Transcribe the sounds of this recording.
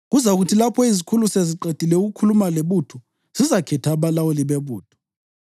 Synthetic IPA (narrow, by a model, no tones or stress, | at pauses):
ɣuzauɣutʰilapʰɔizikʰuluseziǃed̥ʱilɛuɣukʰulumaleβutʰɔ | z̥izakʰɛtʰaβalawoliβeβuːtʰɔ̥